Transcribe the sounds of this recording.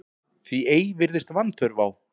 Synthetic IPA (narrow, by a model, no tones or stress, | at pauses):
θvieːjvɪɾðɪst̪vanːθœɾvaːw